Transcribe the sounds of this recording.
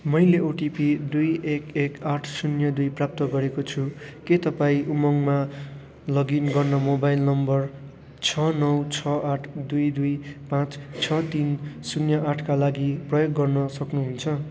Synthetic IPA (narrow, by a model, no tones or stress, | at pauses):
mʌjleoʈipid̪ujekekaʈʰsunjʌd̪ujprap̚t̪ʌɡʌɾekot͡sʰuket̪ʌpaĩʔumʌŋma | lʌɡinɡʌrnʌmobajlnʌmbʌr | t͡sʰʌnʌwt͡sʰʌʔaʈʰd̪ujd̪ujpãt͡st͡sʰʌt̪insunjʌʔaʈʰkalaɡiprʌjoɡːʌrnʌsʌknuɦunt͡sʰʌ